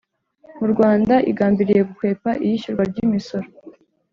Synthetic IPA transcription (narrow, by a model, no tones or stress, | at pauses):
muɾɡwaːndaʔḭɡaːmbiɾije̞ɡukwe̞ːpaʔijiʃuɾɡwaɾɟimiso̞ɾo